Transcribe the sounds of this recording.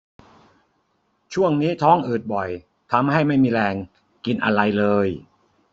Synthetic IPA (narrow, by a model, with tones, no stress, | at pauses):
t͡ɕʰu˥˩əŋniː˦˥t̪ʰɔː˦˥ŋʔɯː˨˩t̪̚bɔ˨˩j | t̪ʰa˧mha˥˩jma˥˩jmiː˧ɾɛː˧ŋ | ki˧nʔa̰˧ɾa˧jlɤː˧j